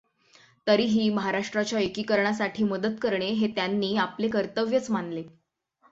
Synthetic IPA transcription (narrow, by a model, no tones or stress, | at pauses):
t̪əɾiːɦiːməɦaɾaʂʈɾat͡ɕjaəjkiːkəɾɳas̬aʈʰiːməd̪ət̪kəɾɳeɦet̪janːiːaplekəɾt̪əʋjət͡smanle